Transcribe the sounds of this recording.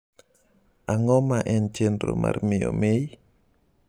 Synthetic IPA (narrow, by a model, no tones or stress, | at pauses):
ʔaŋɔmaʔɛnt͡ʃendɾomʔa̰rmɪomej